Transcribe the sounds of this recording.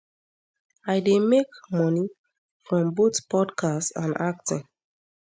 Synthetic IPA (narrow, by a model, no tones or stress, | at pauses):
aɪdemekmɔni | fɹɔ̃mbotpʰɔdkʰastsã̰nak̚tɪ̰̃n